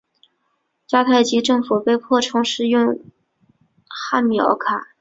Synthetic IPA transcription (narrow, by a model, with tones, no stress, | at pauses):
t͡ɕja˥t̪ʰa˥˩ɪt͡ɕi˧˥ʈ͡ʂɤ˥˩ŋfu˨˩pe˥˧ɪpʰwɔ˥˩ʈ͡ʂʰʊ˧˥ŋʂɻ̩˥˧jʊ˥˧ŋ | xa˥˩nmi˨˩ɑ̰˧˥ʊkʰa˨˩˦